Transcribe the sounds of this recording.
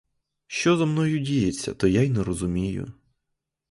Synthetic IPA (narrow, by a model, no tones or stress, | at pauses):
ʃt͡ʃɔzɐmnɔjʊdʲijet͡sʲːɐ̰t̪ɔjajnɛɾɔzʊmʲijʊ̰